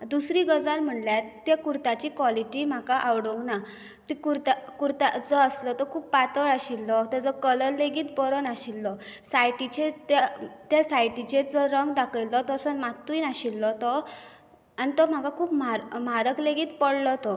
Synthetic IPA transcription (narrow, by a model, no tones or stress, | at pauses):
d̪usɾiɡəd͡zalm̤əɳljat̪ːakuɾt̪at͡ɕiːkʋɔliʈim̤akaʔawɽoŋɡna | t̪ikuɾt̪akuɾt̪ad͡zɔəslɔt̪ɔkʰuːppat̪əɾaɕilːɔt̪əd͡zɔkələɾlːeɡiːt̪̚bɔɾɔnaɕilːɔsajʈit͡ɕet̪at̪jasajʈit͡ɕed͡zɔɾəŋɡd̪akʰəjlːɔt̪ɔsənmat̪ːuinaɕilːɔt̪ɔ | anit̪ɔm̤akakʰuːpmaɾm̤aɾəkleɡiːt̪̚pəɽlɔt̪ɔ